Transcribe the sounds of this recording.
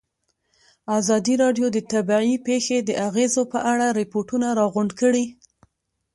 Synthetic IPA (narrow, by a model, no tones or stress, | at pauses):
azɑd̪iɾɑɖjod̪ət̪abiipexed̪əʔaɣezopəʔaɽaɾɪpoʈunaɾɑɣʊɳɖkəɽi